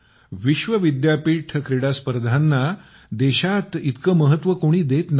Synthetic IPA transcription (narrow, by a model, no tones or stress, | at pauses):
ʋiɕʋəʋid̪japiːʈʰəkɾiɽaspəɾd̪ʱanːa | d̪eɕat̪it̪kəːməɦət̪ʋəkoɽ̃iːd̪et̪n